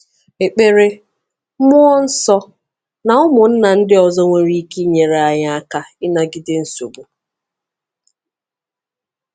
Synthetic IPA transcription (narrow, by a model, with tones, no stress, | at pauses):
e˨k͡pe˨ɾe˦ | mʊ˦ɔ˦n̩˦sɔ˦ | na˨ʊ˦mʊ˨n̩˦na˨n̩˦dɪ˦ɔ˨zɔ˦ŋʷe˨ɾi˦ki˦ɲe˨ɾe˨a˨ɲa˦a˦ka˦ɪ˦na˦ɡɪ˦dɪ˦n̩˦so˨bo˨